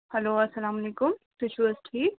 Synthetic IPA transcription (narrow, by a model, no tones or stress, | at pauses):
hɐloːɐsɐlaːmɐleːkʊmt̪ut͡ʃʰuwɐsʈʰiːk